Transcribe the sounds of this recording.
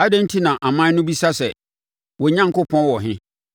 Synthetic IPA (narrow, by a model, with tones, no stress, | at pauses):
a˦dɛ̃˦n̩˦tʰi˦nã˨ʔa˨mã˦nʊ̃˦bi˦sa˦sɛ˨ | wɔ˨ɲã˦ŋ̩˨kʊ˦pʰɔ̃˦wɔ˨ɦɪ̃˦